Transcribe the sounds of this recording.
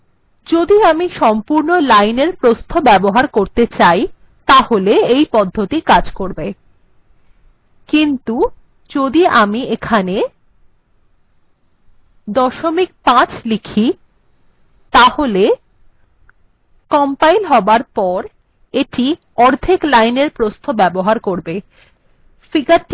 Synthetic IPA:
d͡ʑod̪iamiʃɔmpuɾnolajneɾpɾost̪ʰobɛboɦaɾkoɾt̪et͡ɕaj | t̪aholeejpɔd̪ʱːot̪ikad͡ʑkoɾbe | kint̪u | d͡ʑod̪iʔamiekʰane | d̪ɔʃomik̚pãt͡ɕlikʰi | t̪ahole | kɔmpajlɦɔbaɾpɔɾ | eʈi | ɔɾd̪ʰʱiklajneɾpɾost̪ʰobɛboɦaɾkoɾbe | fikaɾʈ

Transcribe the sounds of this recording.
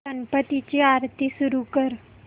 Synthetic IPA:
əmpət̪it͡ɕiaɾt̪ʰisuɾukəɾ

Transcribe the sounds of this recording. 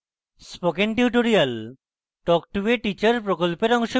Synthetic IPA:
spokenʈiʈoɾial | ʈɔk̚ʈueʈit͡ɕaɾpɾokolpeɾɔŋʃo

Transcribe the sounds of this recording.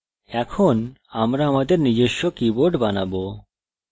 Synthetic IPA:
ɛkʰon | amɾaamad̪eɾnid͡ʑeʃːokiboɖbanabo

